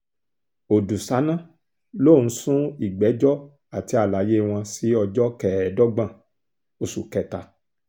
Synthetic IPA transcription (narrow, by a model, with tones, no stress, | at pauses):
o˨du˨sa˨˦nã˦ | lo˦˨ñ̩˨˦sũ˦i˨ɡ͡bɛ˨˦d͡ʒɔ˦ | a˨ti˧˦a˨la˨je˦w̃ɔ̃˧si˦ɔ˧d͡ʒɔ˦kɛ˦˨dɔ˦ɡ͡bã˦˨ | o˧˨su˨kɛ˦˨ta˧